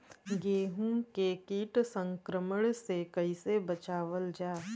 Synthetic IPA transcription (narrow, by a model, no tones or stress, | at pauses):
ɡeːɦũkekiːʈsə̃ŋkɾəməɽ̃sekəisebət͡ʃaːʋəld͡ʒaː